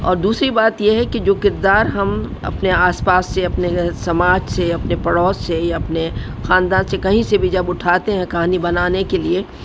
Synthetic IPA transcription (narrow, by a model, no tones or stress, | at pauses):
ɔ̰ːɾd̪uːsɾibaːt̪jeɦɛkid͡ʒoːkɪɾd̪aːɾɦɐmɐ̰pneaːspaːsːeɐpnesɐmaːd͡ʒseɐpnepɐɽɔːssejaɐpne | xãːnd̪aːnsekɐɦĩsebʱid͡ʒɐbʊʈʰaːt̪eɦɛ̃kɐɦaːnibɐnaːnekelie